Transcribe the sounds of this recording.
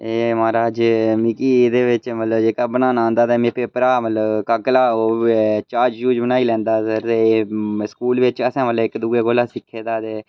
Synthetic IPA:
eːmaːɾaːd͡ʒmikiːd̪eːʋɪt͡ʃmət̪ləbd͡ʒeːkaːbənãːnãːnd̪aːt̪eːmeːpeːpəɾaːmət̪ləbkəklaːoːt͡ʃaːɾd͡ʒt͡ʃuːd͡ʒbənaːiːlɛ̃ːnd̪aːsəɾt̪eːskuːlʋɪt͡ʃəsãːmələɪkd̪uːɡeːɡoːlaːsɪkʰːeːd̪aːt̪eː

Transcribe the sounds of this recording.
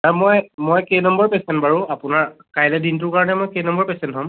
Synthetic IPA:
amɔjmɔjkejnɔmbɔɹpɛsɛntbaɹũapʊnaɹkajlɛdint̬ʊɹkaɹɔnɛmɔjkejnɔmbɔɹpɛsɛntɦɔ̃m

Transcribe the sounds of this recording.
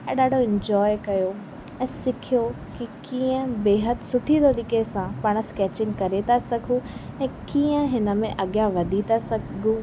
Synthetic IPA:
ɛ̃ɗaːɖʱoɪ̃ɲd͡ʑɔːjɪkɐjo | ɛ̃ːsɪkʰijo | kikiːə̃beːɦət̪ɪsʊʈʰit̪ʰoɗ̪iːkesãpaːɽ̃əskɛːt͡ɕɪ̃ŋɡkɐɾet̪ʰasɐkʰũɛ̃ːkiːə̃ɦɪnə̆mẽʔɐɠjaʋɐd̪ʱit̪ʰasɐɡʱũ

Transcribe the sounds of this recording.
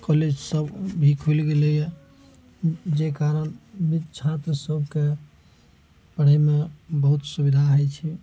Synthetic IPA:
kɔled͡ʒsəbbʱikʰulɡelɛjɛ | d͡ʒekaɾənbid̪t͡ʃʰat̪ɾəsəb̚ʱke | pəɽ̤əmebəɦut̪subid̪ʱaɦəjt͡ʃʰi

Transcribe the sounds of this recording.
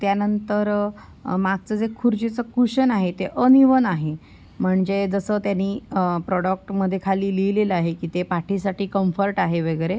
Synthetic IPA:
t̪janənt̪əɾ | maɡ̚t͡səːd͡zekʰuɾd͡ʑit͡səkuɕənaɦet̪eʔəniʋənaɦe | m̤əɳd͡zed͡zəsət̪janːiːpɾɔɽək̚ʈməd̪ʱːjekʰaliːlijleləaɦekiːt̪epaʈʰisaʈiːkəmfəɾʈaɦeʋəɡəɾe

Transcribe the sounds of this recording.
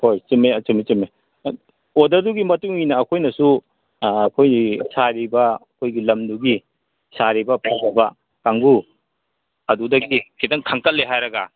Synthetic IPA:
hojt͡ʃimeɐt͡ʃimit͡ʃime | odɐɾduɡimɐtuŋinɐːkʰojnɐsuː | kʰojnisaɾibɐɐkʰojɡilɐmduɡi | saɾibɐpʰabibɐ | kaŋɡu | ɐdudɐɡikʰitɐŋkʰaŋkɐt̚leɦajɾɐɡa̰

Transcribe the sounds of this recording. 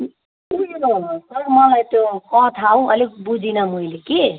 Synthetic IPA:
uosʌɾmʌlajt̪okʌt̪ʰaũʌlikbud͡zʱinʌmʌileki

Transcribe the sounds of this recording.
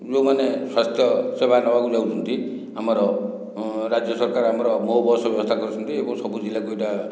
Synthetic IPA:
d͡zomaneswast̪ʰjʌsebʱanʌwakud͡zawt͡sʰɔnt̪i | ɦamɔɾɔ | ɾad͡zjʌsɔɾkaɾɦamɔɾɔmoɦbɔrsɔbjɔbɔst̪ʰaɡɔɾut͡sʰɔnt̪ʰiebɔ̃ŋsʌbud͡zilːakueʈa

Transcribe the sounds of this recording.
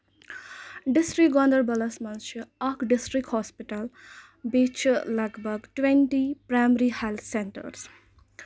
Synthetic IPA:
ɖisʈɾik̚ɡɔ̃nd̪əɾbɐlɐsmɐnt͡ʃʰiɐkʰɖisʈɾikhɔspiʈɐl | bit͡ʃʰlʌɡbəɡʈwenʈipɾamɾihelt̪ʰseɳʈə̰ɾs

